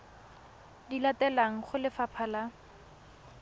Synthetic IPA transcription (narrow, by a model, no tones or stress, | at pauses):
dilatɛlaŋ̩χʊlɪfapʰala